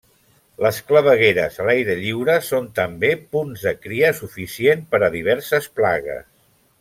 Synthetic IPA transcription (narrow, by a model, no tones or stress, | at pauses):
ləskləβəɣeɾə̰zəlajɾəʎiwɾəsont̪əmbepunzðəkɾiəsufisienpəɾəðiβ̞ɛɾsəsplaɣə̰s